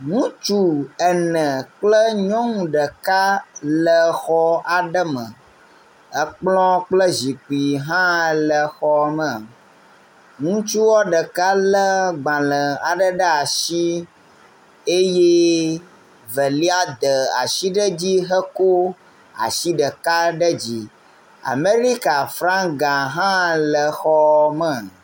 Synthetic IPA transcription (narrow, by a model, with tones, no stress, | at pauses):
ŋũ˦t͡ʃu˦ɛ˨nə̃˨k͡plə˦ɲɔ̃˦ŋũ˨ɖə˨ka˦lə˨xɔ˦a˨ɖə˦mə̰̃˨ | ə˦k͡plɔ̃˦k͡plə˦zi˨k͡pi˨ɦã˦˨lə˨xɔ˦mə̃˨ | ŋũ˦t͡ʃu˦wɔ˦ɖə˨ka˦lə˦ɡ͡bã˨lə̃˨a˨ɖə˦ɖə˦a˨ʃi˦ | e˦je˦ | və˨li˦a˦d̪ə˨a̰˨ʃi˦ɖə˦d͡ʑi˦ɦə˦ko˦ | a̰˨ʃi˦ɖə˨ka˦ɖə˦d͡ʑi˦ | a̰˨me˦ɾi˦ka˨fɾã˦ŋɡã˨ɦã˦lə˨xɔ˦mə˨